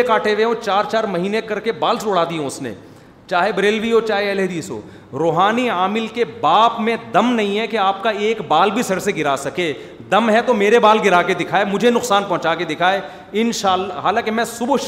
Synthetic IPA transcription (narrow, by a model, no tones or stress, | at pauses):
ekaːʈʰeʋeɦõt͡ʃaːɾt͡ʃaːɾmɐɦiːnekɐɾkebaːlsoːɽaːd̪iõʊsnḛː | t͡ʃaːɦebɾeːlbiɦot͡ʃaːɦeɛled̪iːso̰ː | ɾoːɦaːniaːmɪlkebaːpmẽd̪ɐmnɐɦĩɦɛkeaːp̚kaeːkbaːlbʱisɐɽseɡɪɾasɐkeː | d̪ɐmɦɛt̪omeːɾebaːlɡɪɾaːked̪ɪkʰaːemʊd͡ʒʱenʊqsaːnpɔ̃ɦʊ̃t͡ʃaːked̪ɪkʰaːe | ɪnʃaːlːaɦaːlãːkemɛ̃ːsʊb